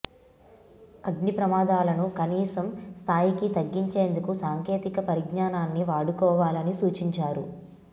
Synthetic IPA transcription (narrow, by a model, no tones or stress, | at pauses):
ɐɡnipɾɐmaːd̪aːlɐnukɐniːsɐmst̪ʰaːjikit̪ɐɡːiɲt͡ʃe̞ːnd̪ukusaːŋkeːt̪ikɐpɐɾiɡɲaːnaːnːiʋaːɽukɔːʋaːlɐnisuːt͡ʃiɲt͡ʃaːɾu